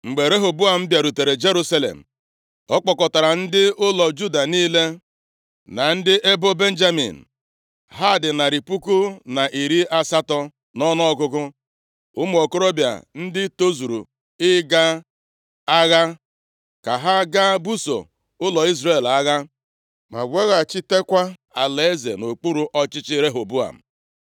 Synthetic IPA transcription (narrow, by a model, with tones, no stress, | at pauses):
ŋ͡m̩˨ɡ͡be˨ɾe˦ɦʊ˨bʊ˦a˨m̩˦bja˨ɾu˨te˨ɾe˨d͡ʒe˦ɾu˦sa˦lḛ˨m̩˨ | ɔ˦k͡pɔ˨kɔ˨ta˨ɾa˨n̩˦dɪ˦ʊ˦lɔ˨d͡ʒu˦da˨niː˦le˦ | na˨n̩˦dɪ˦ʔe˦bʊ˦be˦n̩˦d͡ʒa˦mḭ˨n̩˨ | ɦa˦˨dɪ˨na˨ɾi˨pu˦kʊ˦na˨ʔi˨ɾi˦ʔa˦sa˦tɔ˦ | nɔ˦nɔ˦ɔ˦kʊ˦kʊ˦ | ʊ˦m˦˨o˨ko˦ɾo˦bja̰˨n̩˦dɪ˦to˦zu˨ɾu˨ | ɪ˦ɡa˦ | a˦ɣa˦ | ka˨ɦa˦ɡa˦bu˦so̰˨ | ʊ˦lɔ˨i˦zre˨la˦ɣa˦ | ma̰˨ɡʷe˦ɣa˨t͡ʃɪ˦te˦kʷa˦ | a˨le˦zḛ˨no˨k͡pu˦ɾu˨ʔɔ˦t͡ʃɪ˦t͡ʃɪ˦ɾe˦ɦo˨bu˦a̰˨m̩˨